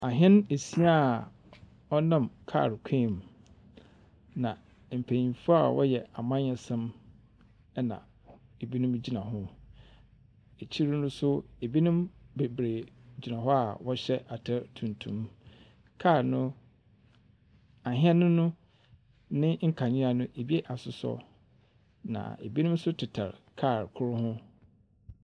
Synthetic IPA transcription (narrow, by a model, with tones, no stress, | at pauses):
a˨ɦɛ̃˦n˦e˨si˦a˦˨ | ɔ˦nã˦˨mkʰa̰ː˦˨ɾkʰẽ˦˨m | nã˨ | m̩˨pʰe˨ĩ˨fu˦a˨wɔ̰˦jɛ˨a˨mã˦ɲ˦ɛ˨sɛ̃˦m | ɛ˦nã̰˨ | e˨bi˦nʊ̃˦md͡ʑi˦nã˨ɦʊ̃˦ | e˨t͡ɕʰi˦ɾnʊ̃˦sʊ˦e˨bi˦nũ˦mbe˨bɾe˨d͡ʑi˨nã˨ɦɔ˦a˨wɔ˦ɕɛ˦ʔa˨tʰɛ˦ɾtʰũ˨ntʰṵ̃˨m | kʰaː˦˨ɾnʊ̃˦ | a˨ɦɪ̃˦ɛ˦nʊ̃˦nʊ̃˦ | nɪ̃˦ŋ̩˦kʰã˨ɲɪ̃˦a˨nʊ̃˦ʔe˨bi˦e˦ʔa˨sʊ˨sɔ̰˦ | nã̰˨ḛ˨bi˦nʊ̃˦m˦sʊ˦tʰɪ˨tʰa̰˨ɾkʰa˦˨ɾkʰʊ˦ɾhʊ̃˦